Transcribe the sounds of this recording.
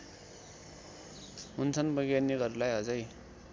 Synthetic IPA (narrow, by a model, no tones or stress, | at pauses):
ɦunt͡sʰʌnbʌɡjaniɡʌɾulajɦʌd͡zʌj